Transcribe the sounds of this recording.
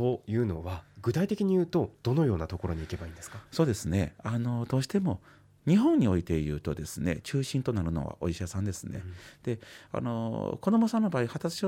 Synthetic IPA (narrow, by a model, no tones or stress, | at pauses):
tojɯ̟ːno̞̰βaɡɯ̟t̪ait̪e̞kʲiɲ̟ijɯ̟ːt̪o̞d̪̥o̞no̞jo̞ːnat̪o̞ko̞ɾo̞ɲ̟iːke̞baĩnd̪e̞sɨ̥kaso̞ːd̪e̞sɨne̞ano̞d̪o̞ːɕi̥t̪e̞mo̞ | ɲ̟iɦõ̞ɲ̟ːio̞it̪e̞jɯ̟ːt̪o̞d̪e̞sɨne̞̰t͡ɕɨːɕĩnt̪onaɾɯ̟no̞̰βa̰ʔo̞̰iɕasãnd̪e̞sɨne̞̰d̪̥e̞a̰no̞̰ko̞d̪omo̞sãnːo̞baːihat̪asɨ̥ɕo